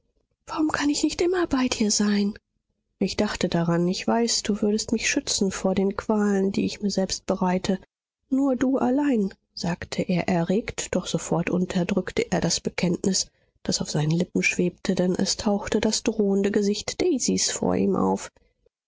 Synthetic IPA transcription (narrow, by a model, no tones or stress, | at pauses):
v̥aʁʊmkʰanɪçnɪçtʔɪmɐbaɪdiːɐzaɪn | ʔɪçd̥aχtədaʁanɪçv̥aɪsd̥uːvʏɐɾəstmɪçʃʏt͡sn̩foːɐdeːnkv̥aːləndḭːɪçmiːɐzɛlpst̚b̥əʁaɪtʰə | nuːɐduːʔalaɪn | z̥aːktʰəʔeːɐʔɛɐʁeːktd̥ɔχz̥ofɔɐtʔʊntʰɐdʁʏktʰəʔeːɐɾasb̥əkʰɛntnɪs | d̥asaʊfz̥aɪnəlɪpm̩ʃv̥eːp̚tʰədɛnʔɛ̰stʰaʊxtəd̥asd̥ʁoːəndəɡəzɪçtd̥ɛɪzisfo̰ːɐʔḭːmʔa̰ʊf